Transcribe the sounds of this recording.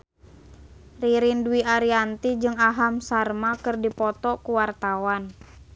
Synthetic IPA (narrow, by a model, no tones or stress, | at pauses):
riɾinduiʔaɾiant̪id͡ʒɨŋaɦamsarmakɨrdipɔt̪ɔkuwart̪awan